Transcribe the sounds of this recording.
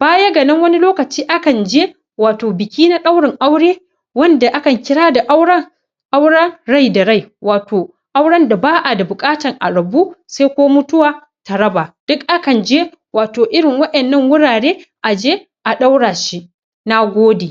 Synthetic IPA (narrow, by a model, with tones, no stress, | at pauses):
baː˦ja˦ɡɐ˨nɪ˦ŋwɐ˦ni˦loː˦kɐ˨t͡ʃiː˦ʔa˦kɐ˨nd͡ʒeː˦ | waː˨toː˨bɪ˨kʲʰiː˦na˦ɗa˦wɽɪ˨ŋʔa˦wɽeː˦ | wɐ˦nda˨ʔa˦kɐ˨ŋkʲɪ˦ɽaː˦da˨ʔa˦wɽɐ˦ŋ | ʔa˦wɽɐ˦ɾa˦˨jda˨ɽa˦˨jwaː˨toː˨ | ʔa˦wɽɐ˦nda˨baː˦ʔa˨da˨bʊ˨kʼaː˦tɐ˨ŋʔa̰˨ɽɐ˨buː˦sa˦jkʷoː˦mʊ˦tʊ˦waː˨ | tɐ˨ɾɐ˦baː˨d̥ʊ˦kʔa˦kɐ˨nd͡ʒeː˦ | waː˨toː˨ʔɪ˦ɽɪ˨ŋwɐ˦ʔɛ˨nːɐ˦ŋwʊ˦ɽaː˨ɽeː˦ʔa˨d͡ʒeː˦ | ʔa˨ɗa˦wɽaː˨ʃi˦ | na˦ɡʷoː˦deː˨